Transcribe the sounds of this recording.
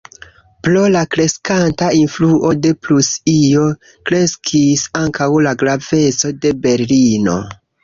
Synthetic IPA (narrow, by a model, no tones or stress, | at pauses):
plo̞lakɾe̞skantainfluʔo̞de̞plusio̞ | kɾe̞skʰisaŋkawlaɡɾave̞t͡so̞de̞be̞ɾlino̞̰